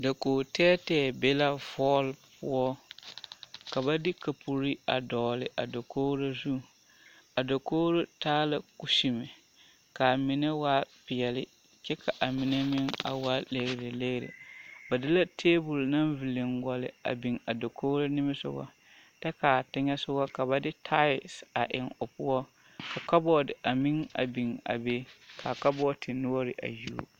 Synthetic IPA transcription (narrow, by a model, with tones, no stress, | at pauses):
da˨koː˨tɛː˦tɛː˦be˦la˦vɔː˦lpʊ˦ɔ˦ | ka˨ba˦dɪ˦ka˨pʰu˨ɾi˦a̰˨dɔː˨lɪ˨ʔa˨do˨koː˦ɾa˦zu˦ | a˨do˨koː˦ɾo˦taː˦la˨ku˦si˨mɪ˨ | ka˨mɪ˨nɛ˦waː˦pɪ˨ɛ˨lɪ˦ | t͡ʃɛ˦kʰa˨ʔa˨mɪ˨nɛ˦mɪ˦ŋa̰˨waː˦le˨ɣɾɪ˨le˦ɣɾḛ˨ba˨dɪ˦la˦tʰeː˦bʊ˨lna˦nvi˨lɪ˨ŋɡɔ˨lɪ̰˨a̰˨bi˨ŋa˨do˨kʰoː˦ɾo˦nɪ˦mɪ˦sʊ̰˦ɡɔ̰˦ | tɛ˦ka˨tɪ˦ɲɛ˦sʊ˦ɡɔ˦ka˨ba˨dɪ˦tʰa˦ɪ˨sa˨ʔɪ̰˨ŋʊ˨pʊ˦ɔ˦ | kʰa˨ka˦bɔ˦˨dɪ˨ʔa˨mɪ˦ŋa̰˨bi˨ŋa̰˨be˦kʰa˨ka˦bɔ˦tʰɪ˨nʊ˦ɔ˦ɾɪ˨ʔa̰˨ju˦o̰˦